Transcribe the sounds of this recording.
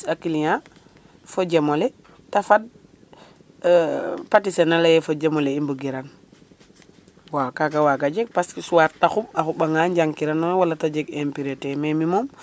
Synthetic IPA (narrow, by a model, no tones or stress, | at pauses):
akilɲa | foɟemole | tafad̚ | patisenalajefoɟemoleimbuɡiɾaŋ | wakaɡawaɡaɟeɡ̚paskisuwaɾtaxumaxuɓaŋaɲɟaŋkiɾanɔnwalatad͡ʒeɡempiɾetememimom